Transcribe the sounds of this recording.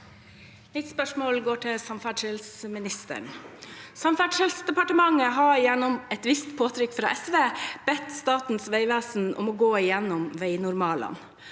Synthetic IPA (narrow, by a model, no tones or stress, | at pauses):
nɪt̪spœʂmɔːlɡoːʈʰɪsɑmfæɖʂɛlsmɪnɪst̪ə̰ɳsɑmfæɖʂɛlsd̪ɛpɑʈəmɑŋəɦɑɪjɛnːɔmɛt̪ʋɪst̪pʰoːt̪ʰɾʏkːfɾɑ̰ːʔɛsʋeːb̥ɛt̪st̪ɑːt̪n̩sʋæɪʋæːsn̩ɔ̰mɔɡoːɪjɛnːɔmʋæɪnʊɾmɑːlɑ̰n